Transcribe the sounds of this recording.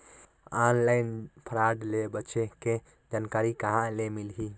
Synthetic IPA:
anlaɪnpʰɾaɖlebət͡ʃeke | d͡ʒankaɾikaɦãlemilɦi

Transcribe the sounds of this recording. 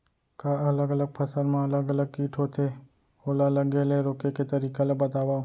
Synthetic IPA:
kaɐləɡələɡ̚pʰɐsəɾmẽɐləɡələɡ̚kiːʈʰot̪ʰe | oːlaləɡeleɾoːkeket̪ɐɾiːkelebɐt̪aːwaː

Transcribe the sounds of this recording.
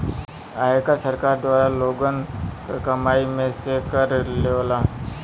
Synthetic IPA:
ajekasəɾkaɾd̪ʋaɾaloɡənkkəmaimesekəɾleʋla

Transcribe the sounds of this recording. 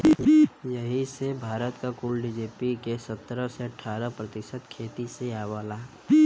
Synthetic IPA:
jəɦisebʱaːɾət̪kakuːlɖid͡ʒeːpikesət̪ːɾəseəʈʰaːɾəpɾət̪ɪʃət̪kʰeːt̪iseaːʋaːlaː

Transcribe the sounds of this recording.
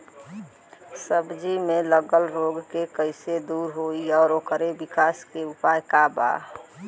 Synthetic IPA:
səbd͡ʒimẽləɡəlɾoɡkekəɪsed̪uɾɦoiɔːɾokəɾebikaːskeupajkaba̰

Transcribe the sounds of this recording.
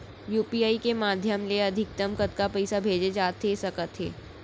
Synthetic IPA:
juːpiaːikemaːd̪ʱjəmleɐd̪ʱɪk̚t̪əmkət̪kapɛɪsabʱeːd͡ʒed͡ʒaːt̪ɦesɐkət̪ɦḛː

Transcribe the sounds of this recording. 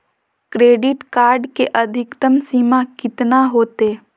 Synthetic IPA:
kɾeːɖɪʈkaːɾɖkeʔɐd̪ʱɪkt̪əmsiːmakɪt̪naɦoːt̪eː

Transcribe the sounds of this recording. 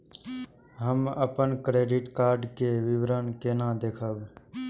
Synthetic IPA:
ɦəməpənkɾeːɖɪʈkaːɾɖkeʋɪʋɾənkeːnãd̪eːkʰəb

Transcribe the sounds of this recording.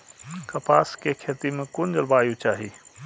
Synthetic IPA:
kɐpaːskekʰeːt̪imẽkʊnd͡ʒəlbaːjut͡ʃaːɦiː

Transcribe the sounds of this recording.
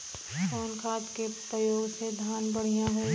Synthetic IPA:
koːnkʰaːt̪kepɾəjoːɡsed̪ʱaːnbəɽ̤ijãɦʊ

